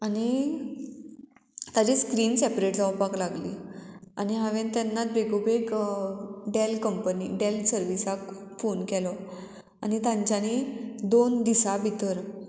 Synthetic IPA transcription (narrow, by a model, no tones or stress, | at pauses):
añi | t̪ad͡ʑeskɾiːnsɛpɾeʈd͡zawpaklaɡlḭːa̰ñiɦaʋẽnt̪ɛnːat̪̚beɡobek | ɖelkəmpənḭɖelsəɾʋisak | fonkɛlɔ | anit̪ãɲt͡ɕjaned̪ond̪isabʱit̪əɾ